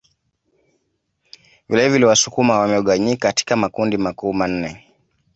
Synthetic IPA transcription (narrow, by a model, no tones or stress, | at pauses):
vilɛvilɛwasukumawamɛuɠaɲikaati̥kamakundimakuːman̩nɛ